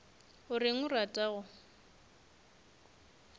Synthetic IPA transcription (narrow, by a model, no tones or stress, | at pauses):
hʊrɪŋʊratʼaɣʊ